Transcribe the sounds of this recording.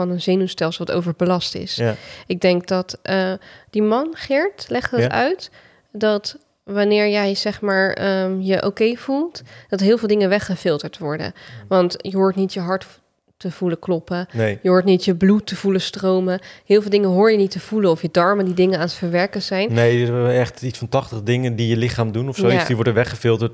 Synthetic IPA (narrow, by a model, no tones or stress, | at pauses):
ɑnənzejnustɛlˠsˠʋɑto̰wvəɹbəlɑstɪ̰sɪɡ̚dɛŋk̚dɑtəd̥imɑnχɪɹtlɛχtɦətœ̰ɥt | dɑt | ʋanɪːɹjɛjz̥ɛχmaːɹəjəʔowkejv̥ulˠtd̥ɑtɦɪːlˠvɪːlˠdɪŋənʋɛχəfɪlˠtəɹtʋɔɹdə̰ʋɑntjəɦoːɹtnitjəɦɑɹt | təv̥uləklɔpənjəɦoːɹtnitjəblutːəv̥uləstrowməɦɪːlˠvɪlˠdɪŋənɦʊːɹjənitəv̥uləɔfjədɑɹməndidɪŋənaːnətfəɹʋɛɹkənz̥ɛjnnejɛχtitsfɑ̃ntɑχtəχdɪŋəndijəlɪχaːmdunɔfsoisdiʋɔɹdənʋɛχəfɪlˠtəɹt